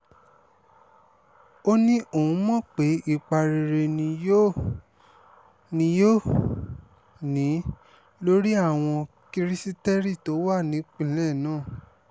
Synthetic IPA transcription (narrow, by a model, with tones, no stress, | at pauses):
o˦nĩ˦ʔo˨ũ˨˧˦mɔ̃˦˨k͡pe˨˦ʔi˦˨k͡pa˨ɾe˨ɾe˧nĩ˧o˦ | nĩ˧˦jo˦ | nĩ˨˦ | lo˦ɾi˦a˦˨w̃ɔ̃˧ | ki˧ɾi˦si˦tɛ˦ɾi˦˨to˨˦wa˦˨nĩ˨˦k͡pĩ˦˨˦lɛ˦˨nãː˦˨